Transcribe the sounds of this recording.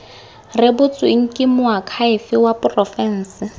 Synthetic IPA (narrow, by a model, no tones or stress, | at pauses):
rɪbʊt͡sʼʊiŋ̩kʼimʊwakʰaɪfɪwapʼrɔfɛːn̩ːsɪ